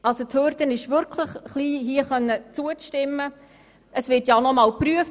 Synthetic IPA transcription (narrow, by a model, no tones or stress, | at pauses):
ɑlsothøːɾdənɪʃʋʏɾkʰləχχliːɦiəχœnːət͡suəʃtɪmːə | əsʋɪtjɑnɔmɑːlpɾyəf